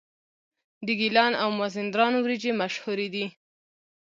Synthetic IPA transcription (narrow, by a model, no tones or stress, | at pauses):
d̪əɡilɑnawmazɪnd̪ɾɑnwɾid͡ʒemaʃhuɾed̪i